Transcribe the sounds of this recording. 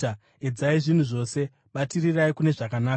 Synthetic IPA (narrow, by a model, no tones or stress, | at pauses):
a | ed͡zaiʐin̤uʐo̞se̞ | ɓatiriraikune̞ʐakanaː